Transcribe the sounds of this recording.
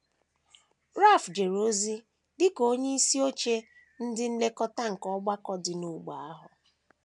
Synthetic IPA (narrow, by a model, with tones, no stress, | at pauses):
ɾa˦˨fd͡ʒe˨ɾo˦zi˦ | dɪ˦ko˦ɲe˦i˦si˦o˦t͡ʃe˦ | n̩˦dɪ˦n̩˦le˦kɔ˦ta˦ŋ̩˨kɔ˦ɡ͡ba˦kɔ˦dɪ˨nu˨ɡ͡ba˨a˦ɦʊ˨